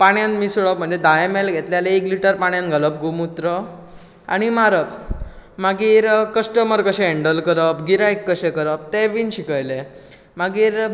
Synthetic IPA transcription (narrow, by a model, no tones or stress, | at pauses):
paɽ̃janmisuɭəpm̤əɳd͡zed̪ajemelɡʱet̪ljaleekliʈəɾpaɽ̃jãnɡʱələp̚ɡumut̪ɾə | a̰ɽ̃imaɾəpmaɡiːɾkəsʈəməɾkəɕẽeɳɖəlkəɾəpɡiɾaekːəɕekəɾəp̚t̪eʋinɕikəjle | maɡiːɾ